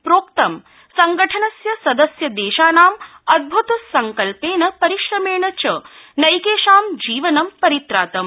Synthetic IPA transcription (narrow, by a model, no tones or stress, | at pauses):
pɾoːkt̪ɐm | sɐŋɡɐʈʰɐnɐsjɐsɐd̪ɐsjɐd̪eːʃaːnaːm | ɐd̪̚bʱut̪ɐsɐŋkɐlpeːnɐpɐɾiʃɾɐmeːɳɐt͡ʃɐ | nɐjkeːʃaːmd͡ʒiːʋɐnɐmpɐɾit̪ɾaːt̪ɐm